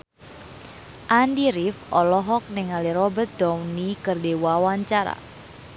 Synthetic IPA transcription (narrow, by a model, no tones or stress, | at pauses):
ʔandiɾifɔlɔɦɔk̚nɪŋaliɾɔbət̪̚d̪̥ɔwnikərdewawaɲt͡ʃaɾa̰